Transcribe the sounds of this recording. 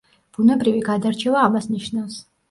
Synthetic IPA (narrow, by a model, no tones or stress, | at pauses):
b̥unɛbɾiviɡad̪aɾt͡ʃʰɛvaːmasniʃnafs